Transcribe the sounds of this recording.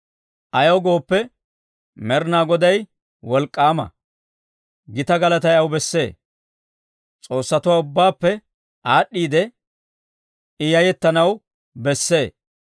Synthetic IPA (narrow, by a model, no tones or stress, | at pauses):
ʔɐjoɡo̞ːpːɛ | mɛɾnaːɡɔd̪ɐj | wɔlkʼːaːmɐ̰ | ɡɪt̪ɐɡɐlɐt̪ɐjɐwbɛsːe̞ː | t͡sʼo̞ːsːɐt̪ʊwaːʊbːaːpːɛ | ʔaːɗːiːd̪ɛ | ɪjɐjɛt̪ːɐnɐw | bɛsːe̞ː